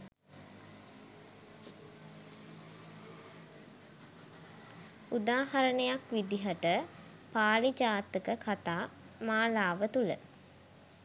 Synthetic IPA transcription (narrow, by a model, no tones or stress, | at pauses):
ud̪aːhaɾənəjakʋid̪iɦəʈə | paːlid͡ʒaːt̪əkəkʰat̪aː | maːlaːʋət̪ulə̰